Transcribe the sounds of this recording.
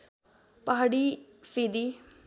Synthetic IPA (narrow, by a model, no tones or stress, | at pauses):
pəɦaːɽiːsiːd̪iː